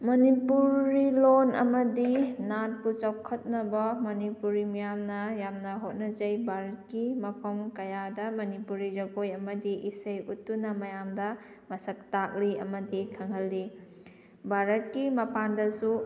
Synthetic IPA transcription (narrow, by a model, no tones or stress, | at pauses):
mɐnipuɾilonɐ̰mɐdinat̚kut͡ʃawkʰɐt̚nɐbɐmɐnipuɾimijamnɐjamnɐɦot̚nɐzɐjbʱaɾɐt̚kimɐpʰɐmkɐjadɐmɐnipuɾid͡ʒɐɡojɐmɐdiʔisɐjutːunɐmɐjamdɐ | mɐsɐk̚tak̚liɐ̰mɐdikʰɐŋɦɐlːi | bʱaɾɐt̚kimɐpandɐsu